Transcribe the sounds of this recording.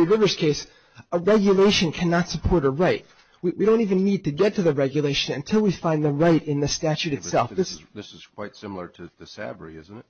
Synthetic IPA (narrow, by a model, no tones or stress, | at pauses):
iɹɪvə˞z̥kʰeɪs | əɹɛɡjɨleɪʃɨ̃nkʰænɑtsəpʰɔɹɾəɹaɪt̚ | wiwiɾõʊ̃ntivɨ̃nːid̚tɨɡɛtʰɨðɨɹɛɡjɨleɪʃɨ̃nɨ̃ntʰɪlˠwifãɪ̃nðəɹaɪɾɨ̃nðɨstæt͡ʃʉɾɨtssɛ̰lˠfðɪsðɪsɨz̥kʰw̥aɪtsɪ̃ml̩ˠə˞ɾɨðɨsæ̰bə˞ḭɪ̰zn̩ɨt